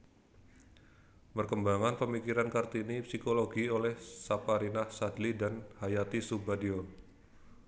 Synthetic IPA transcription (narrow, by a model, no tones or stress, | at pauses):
pərkəmbaŋanpəmikiɾankart̪inipsikoloɡiolɛhsapaɾinahsadlidanhajat̪isubadio